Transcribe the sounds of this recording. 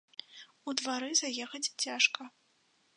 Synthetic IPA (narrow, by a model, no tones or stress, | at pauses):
ud̪vaɾɨzajɛxɐt͡sʲt͡sʲaʂkɐ